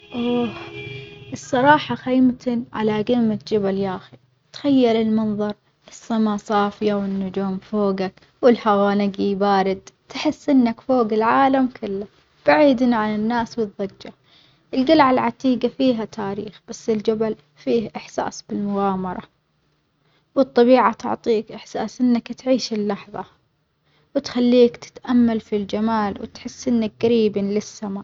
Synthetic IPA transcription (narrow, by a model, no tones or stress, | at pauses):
ʔoː | ʔɨsˤːɑɾˤɑːħɑxajmt̪ɪnʕa̰laɡɪmːat̪d͡ʒabaljaːxi | t̪xajːalɪlmɑnðˤɑɾˤ | ʔɨsːamasˤɑːfɪjawɪnːʊd͡ʒuːmfoːɡak | wɪlhawaːnɪɡibaːɾɪd̪t̪ħɪsːʔɪnːakfoːɡɪlʕaːlamkʰɪlːa | b̥aʕiːd̪niʕananːaːswɨðˤːɑd͡ʒːa | ʔɪlɡalʕalʕat̪iːɡafiːɦat̪ʰaːɾḭːxb̥asːɪld͡ʒabal | fiːhʔɪħsa̰ːsbɪlmʊɣaːmɑɾˤɑ̰ | wɨt̪ˤːɑbiːʕat̪ʊ̰ʕt̪ˤiːkʔɪħsaːsʔɪnːakt̪ʕiːʃɪlːɑħðˤɑ̰ | wɪt̪xalːiːkt̪ɪ̥t̪ʔamːalfild͡ʒamaːlwɪ̰t̪ħɪsːʔɪnːak̚ɡaɾiːbinlɪsːamaː